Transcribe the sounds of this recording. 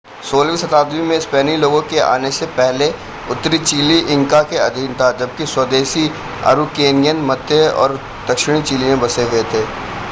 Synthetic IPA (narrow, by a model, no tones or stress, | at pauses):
soːlʋisɐt̪aːd̪ʋimẽɪspɛːniloːɡõkeʔa̰ːnesepɛɦle | ʊt̪ːɾit͡ʃiːliʔɪ̃ŋkakeɐd̪ʱiːnt̪ʰad͡ʒɐb̚kiswəd̪eːsi | a̰ːɾukeːnɪjənmɐt̪ːeɔ̰ːɾ | d̪̥ɐkʃɪɽ̃it͡ʃiːlimẽbɐseɦet̪ʰeː